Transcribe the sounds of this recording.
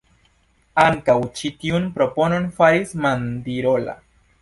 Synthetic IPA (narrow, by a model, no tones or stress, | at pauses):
aŋkawt͡ʃit̪iunpɾopononfaɾismand̪iɾola̰